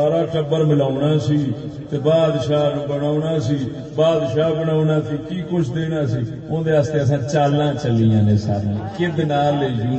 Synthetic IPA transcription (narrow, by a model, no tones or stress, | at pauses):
aːɾãːʈəbəɾmɪlaːʊnaːsiː | t̪eːbaːd̪ʃaːbəɽaːʊnaːsiː | baːd̪ʃaːbəɽaːʊnãːsiːkiːkʊt͡ʃʰd̪eːnãːsiː | ʊ̃d̪eːaːst̪eːəsãːt͡ʃaːlːãːt͡ʃəlːijãːnẽːsa̰ːɾĩːkɪd̪naːlːeiːd͡ʒuː